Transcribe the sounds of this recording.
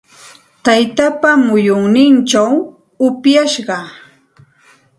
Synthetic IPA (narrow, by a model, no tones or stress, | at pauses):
t̪ajt̪apamʊjoŋnɪnʈ͡ʂaw | ʊpjaʃɢɑ